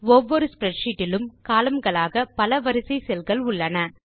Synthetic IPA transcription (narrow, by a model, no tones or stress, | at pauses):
ɔʋːɔɾɯspɾɛʈʂiʈːɪlɯmkaːlɐmɡɐɭaːɣɐpɐlɐʋɐɾɯsɐɪsɛlɣɐɭʊɭːɐnɐ